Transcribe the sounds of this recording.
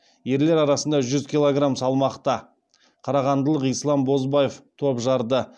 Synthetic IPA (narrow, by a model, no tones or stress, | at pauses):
je̞ɾle̞ɾɑɾɑsənd̪ɑʒʏzkʲilˠoɡramsɑlˠmɑqt̪ɑ | qʰɑɾɑʁɑnd̪əlˠəqijslˠɑmbo̞zbɑjeft̪ʰo̞pʒɑɾd̪ə